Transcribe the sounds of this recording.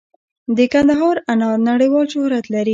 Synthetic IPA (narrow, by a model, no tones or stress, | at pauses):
d̪əkand̪aɦɑɾanɑɾnaɽəjwɑlʃʊhɾat̪laɾi